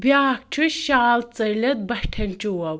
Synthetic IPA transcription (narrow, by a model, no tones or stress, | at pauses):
baːk̚ʈ͡ʂʰuʃaːlt͡sɐjlɐt̪̚bɐʈʰɐnʲt͡ʃuwɐw